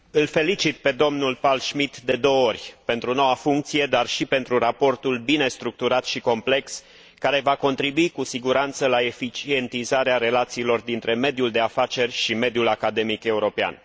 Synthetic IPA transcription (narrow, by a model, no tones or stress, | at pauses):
ɨlfe̞lit͡ʃit̪pe̞d̪o̞mnulpalʃmit̪d̪e̞d̪o̞wo̞rʲpe̞nt̪ɾuno̞wafuŋk̚t̪sije̞d̪arʃipe̞nt̪ɾuɾapo̞rt̪ulbine̞st̪ɾuk̚t̪uɾat̪ʃiko̞mple̞ks | kaɾe̞vako̞nt̪ɾibuikusiɡuɾant̪səlae̞fit͡ʃie̞nt̪izaɾeaɾe̞lat̪siːlo̞rd̪int̪ɾe̞me̞d̪juld̪e̞afat͡ʃe̞rʲʃime̞d̪julakad̪e̞mike̞uɾo̞pea̰n